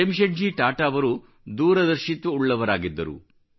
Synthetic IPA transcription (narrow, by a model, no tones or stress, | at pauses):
emʃɐɳd͡ʒiːʈaːʈaɐʋɐɾu | d̪uːɾɐd̪ɐɾʃit̪ʋɐuɭːɐʋɐɾaːɡid̪ːɐɾṵ